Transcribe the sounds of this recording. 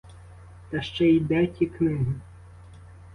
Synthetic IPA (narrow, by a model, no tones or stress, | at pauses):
t̪ɐʃt͡ʃɛid̪ɛtʲiknɪɦɪ